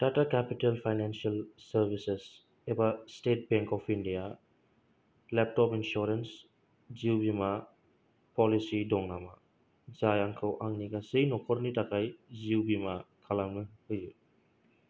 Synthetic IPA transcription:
d̥atakɛpitelpʰajnansialsɐɾbises | ebastet̚bɛŋkɔpʰindija | lɛp̚tɔpinsɔɾens | ziwbima | pɔlisidɔŋnama | zajaŋkʰawʔaŋniɡasɯjnɔkʰɔɾnitakʰajziwbimakʰalaŋnɯhɯju

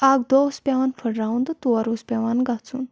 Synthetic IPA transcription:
aɡd̪ospʲɛʋanfʰəɽɾaund̪ət̪uaɾuspʲɛʋanɡat͡sṵːn

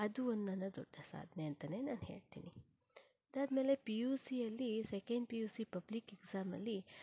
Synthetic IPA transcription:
ad̪uonːanad͡zo̰ʈesa̰d̪nent̪ənenanɦḛɽ̚t̪ḭni | d̪ad̪melepiusiɐlisekẽɳɖpiusipəblikeɡzamɐ̰li

